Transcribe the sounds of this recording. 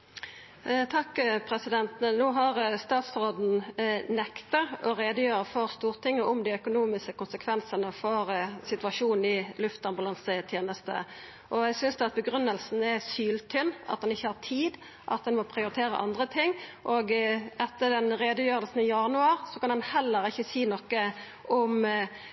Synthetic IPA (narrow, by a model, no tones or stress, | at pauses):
t̪ʰɑkːpʰɾɛsɪd̪ɛnt̪nuːɦɑʁst̪ɑːt̪sɾoːd̪n̩nɛkt̪əɾɔɾeːd̪əjøːɾəfɔʁst̪uːʁt̪ʰɪŋːəʊmd̪ɪœkʊnuːmɪskəkʊnsəkʰʋɛnsənəfɔɾsɪt̪ʉɑʂuːnn̩ɪlʉft̪ɑmbʊlɑnsət̪ʰjeːnəst̪ə̰ | ʔɔæɪsʏnsd̪ɛɑt̪̚bəɡɾʉnːəlsn̩ɛsyːlt̪ʰʏnːɑ̰t̪̚d̪ɛnɪçːəhɑt̪ʰiːd̪ | ʔɑ̰t̪̚d̪ɛnmɔpʰɾɪʊɾɪt̪ʰeːɾə̰ʔɑ̰nd̪ʁət̪ʰɪŋːʔoːɡɛt̪ːəd̪ɛnɾeːd̪əjøːɾəlsn̩ɪjɑnʉɑɾsɔkɑnd̪ɛnhɛlːəɾɪçːəsiːnɔkːə | ʔʊm